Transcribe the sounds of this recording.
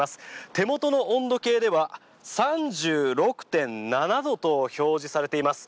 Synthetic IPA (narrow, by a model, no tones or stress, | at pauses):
asɨ̥t̪e̞mo̞t̪o̞no̞ʔõnd̪o̞ke̞ːd̪e̞βa | sãɲd͡ʑɨːɾo̞kɯ̟̥t̪ẽ̞nnanad̪o̞t̪o̞ço̞ːʑisaɾe̞t̪e̞imasɨ̥